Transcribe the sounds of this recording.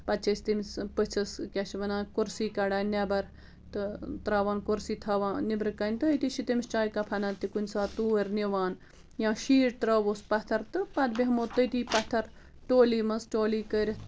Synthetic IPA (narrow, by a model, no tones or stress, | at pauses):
pɐt̪̚t͡ʃʰɐsʲt̪imspɨt͡ʃʰɐskʲɐʃʰʋɐnaːkuɾsiːkɐɽaːnʲɐbɐɾ | t̪ɨt̪ɾɐːʋaːnkuɾsiːt̪ʰɐːʋaːnibɾɨkɐnʲt̪ɨt̪iʃit̪imst͡ʃaːjkɐpʰɐnant̪ikunʲsaːt̪uːɐɾniʋaːn | jãːʃiːɾt̪ɾɐːʋoːspɐt̪ʰɐɾt̪ɨpɐd̪bʲiɦmoːt̪ːət̪iːpɐt̪ʰɐɾ | ʈoːliːmɐsʈoːliːkəɾt̪